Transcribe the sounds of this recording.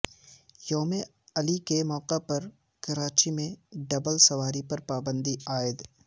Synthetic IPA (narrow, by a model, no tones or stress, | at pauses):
joːme | ɐlikemɔːqepɐɾ | kɐɾaːt͡ʃimẽɖɐbəlsɐʋaːɾipɐɾpaːbə̃nd̪iaːɪd̪